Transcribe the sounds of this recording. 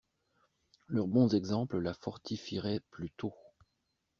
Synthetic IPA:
lœʁbɔ̃zɛɡzɑ̃pləlafɔʁt̪ʰifiʁɛplyt̪o

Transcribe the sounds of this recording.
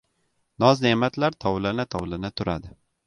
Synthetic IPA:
nɒznemat̪ʰlaɾt̪ʰɒwlɪnat̪ʰɒwlɪnɪt̪ʰʊɾa̰d̪ɪ

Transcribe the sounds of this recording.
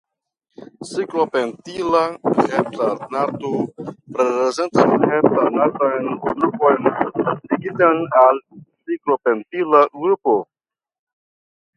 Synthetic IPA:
siklo̞pentilaheptanatopɾeeze̞ntasmulheptanatajnɡɾupo̞jnliɡitanalsiklo̞pentilaɡupo

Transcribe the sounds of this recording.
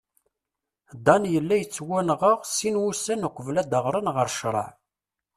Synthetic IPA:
d̪ɑnjəlːæjət͡sːwænʁəʁsinwusənəqʷːəvlæd̪əʁɾˤənʁəɾʃɾˤɑ̰ʕ

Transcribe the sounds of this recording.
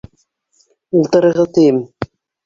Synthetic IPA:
ulˠt̪ɤ̆ɾɤ̆ʁɤt̪ɘ̆jɘm

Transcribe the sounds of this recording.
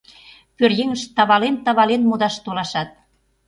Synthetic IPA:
pørjeŋəʃt̪ɑβɑlent̪ɑβɑlenmod̪ɑʃt̪olɑʃɑt̪̚

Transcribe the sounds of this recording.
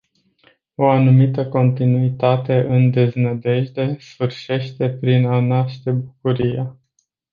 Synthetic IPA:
o̞anumit̪əko̞nt̪inuit̪at̪e̞ʔɨnd̪e̞znəd̪e̞ʒd̪e̞sfɨrʃe̞ʃt̪e̞pɾinanaʃt̪e̞bukuɾija

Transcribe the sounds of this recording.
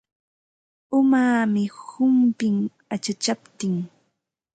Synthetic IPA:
ʊmaːmɪhʊmpɪŋ | at͡ʃat͡ʃapt̪ɪŋ

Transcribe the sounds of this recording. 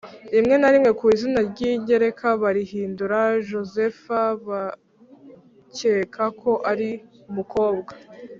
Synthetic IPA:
imŋe̞naɾimŋe̞kiːzinaɾɟiːɲɟe̞ɾe̞kʰaβaɾihiːnduɾaʒo̞ze̞faβa | ceːkʰakʰo̞ʔaɾi | umuko̞ːbɡa

